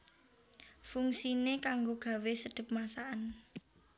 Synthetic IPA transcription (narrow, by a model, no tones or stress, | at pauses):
fuŋsinekaŋɡoɡ̥ä̤wesəɖ̥ə̤p̚masaʔan